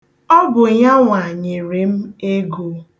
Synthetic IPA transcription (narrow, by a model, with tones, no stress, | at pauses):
ɔ˦ɡʊ˨ɲa˦ŋʷa˨ɲɪ˨ɾe˨m̩˦e˦ɡo˨